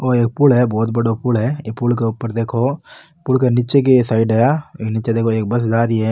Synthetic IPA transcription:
oːeːk̚pulɦɛbɔːt̪̚bɐɽopulɦɛepulk̬eʊpːəɾd̪eːkʰoː | pʊlk̬enɪt͡ʃek̬esaːɪɖɛaeːknɪt͡ʃed̪eːkʰoeːk̚bɐsd͡ʒaːɾiɦɛ

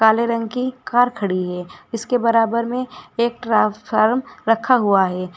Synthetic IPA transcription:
kaːleɾə̃ŋɡkikaːɾkʰɐɽiɦɛːɪskebɐɾaːbəɾmẽeːk̚ʈɾaaːɾmɾɐkʰaɦuaɦɛː

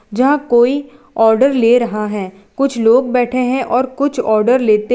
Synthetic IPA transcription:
d͡ʒɐɦãkoːi | ɔːɾɖəɾleːɾɐɦaɦɛː | kʊt͡ʃʰloːɡbɛːʈʰeɦɛ̃ʔɔːɾkʊt͡ʃʰɔːɾɖəɾleːt̪e

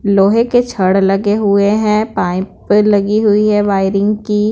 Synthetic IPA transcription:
loːɦeket͡ʃʰɐɽlɐɡeɦʊeɦɛ̃pãːĩpəlɐɡiɦʊiɦɛ̃ʋaːɪɾɪ̃ŋɡkiː

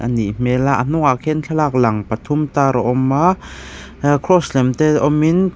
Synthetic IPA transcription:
ʔa̰niʔm̥ɛlaʔan̥uŋakʰɛnt͡ɬʰalak̚lɐŋpɐt̪ʰumt̪aːɾɔʔɔmːa | kʰɾɔslɛmt̪ɛʔɔmin

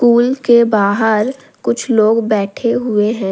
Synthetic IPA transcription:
kuːlkebaːɦəɾ | kʊt͡ʃʰloːɡbɛːʈʰeɦʊeɦɛ̃ː

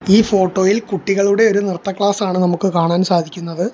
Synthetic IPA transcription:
iːfo̞ːʈːo̞ːjilkuʈːiɣɐɭuɽe̞o̞ɾunirt̪ːɐkɭaːsaːɳɨnɐmukːɨkaːɳaːnsaːd̪ʱikʲːunːɐðɨ

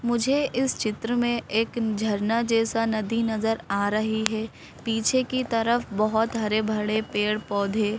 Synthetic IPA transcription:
mʊd͡ʒʱeʔɪst͡ʃɪt̪ɾəmẽeːkd͡ʒʱɐɾnad͡ʒɛːsanɐd̪ʱinɐzəɾaːɾɐɦiɦɛː | piːt͡ʃʰekit̪ɐɾəfbɐɦɔt̪ɦɐɾebʱɐɽepeːɽpɔːd̪ʱeː

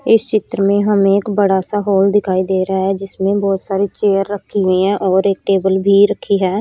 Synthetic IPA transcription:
ɪst͡ʃɪt̪ɾəmẽːɦəmẽːɪkbəɽaːsaːɦoːld̪ɪkʰaːiːd̪eːɾaːɦɛːd͡ʒɪsmẽːbɔːt̪saːɾiːt͡ʃeːəɾːəkʰːiːɦẽːɛ̃ːʔɔːɾekʈeːbəlbʱiːɾəkʰːiːɦɛː

